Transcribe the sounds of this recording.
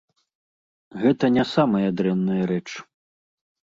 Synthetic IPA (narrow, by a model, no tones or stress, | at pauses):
ɣɛt̪ɐnʲasamɐjɐd̪ɾɛnːɨjɐɾɛt͡ʂ